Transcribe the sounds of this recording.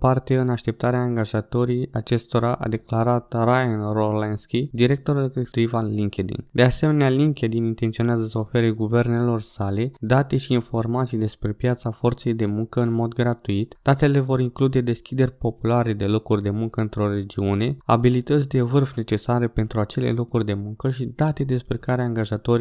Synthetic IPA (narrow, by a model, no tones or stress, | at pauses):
part̪e̞ɨnaʃt̪e̞p̚t̪aɾeaːŋɡaʒat̪o̞ɾijat͡ʃe̞st̪o̞ɾaʔa̰d̪e̞klaɾat̪rajanrolanskʲid̪iɾe̞k̚t̪o̞ɾulkest̪ɾivanliŋkʲed̪ḭnd̪e̞ase̞me̞nealiŋkʲed̪inint̪ent̪sio̞neazəsəofe̞ɾeɡuve̞rne̞lo̞rsale̞d̪at̪e̞ʃiːnfo̞rmat̪sijd̪e̞spɾe̞pjat̪safo̞rt̪se̞jd̪e̞muŋkəɨnmo̞d̪ɡɾat̪uit̪d̪̥at̪e̞le̞vo̞ɾiŋklud̪e̞d̪e̞skʲid̪e̞rʲpo̞pulaɾe̞d̪e̞lo̞kurʲd̪e̞muŋkəɨnt̪ɾo̞re̞d͡ʒiune̞a̰bilit̪ət̪s̬ʲd̪e̞vɨrfne̞t͡ʃe̞saɾe̞pe̞nt̪ɾuat͡ʃe̞le̞̰lo̞kurʲd̪e̞muŋkəʃid̪at̪e̞d̪e̞spɾe̞kaɾeaːŋɡaʒat̪o̞ɾ